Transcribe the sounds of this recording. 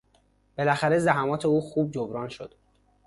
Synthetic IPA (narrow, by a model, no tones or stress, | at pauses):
b̥e̞læxæɾe̞zæɦæmɒːt̪ʰeuːxuːb̚d͡ʒobɾɒːnʃo̰d̪̥